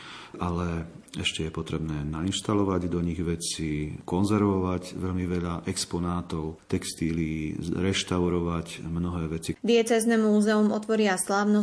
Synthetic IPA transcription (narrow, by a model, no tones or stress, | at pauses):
ʔalɛ | ɛʃcɛjɛpɔt̪ɾɛbnɛːnainʃt̪alɔʋaɟd̪ɔɲiɣʋɛt͡sikɔnzɛɾʋɔʋaɟʋɛʎmiʋɛʎaʔɛkspɔnaːt̪ɔʊt̪ɛkst̪iːliːɾɛʃt̪aʊɾɔʋacmnɔɦɛːʋɛt͡sid̪iɛt͡sɛːznɛmuːzɛumɔt̪ʋɔɾɪaslaːʊnɔ